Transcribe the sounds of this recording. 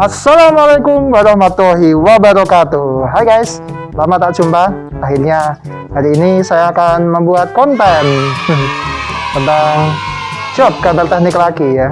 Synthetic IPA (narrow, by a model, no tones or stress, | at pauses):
ʔasːalamalakʊmwaɾɔhmat̪ɔɦiwabaɾɔkat̪uɦajɡajs | lamat̪aʔt͡ʃumba | aɦirɲa | haɾiːnisajaːkanməmbuat̪̚kɔnt̪ɛn | sədaŋ | t͡ʃɔp̚kabərt̪ɛɦnɪklakija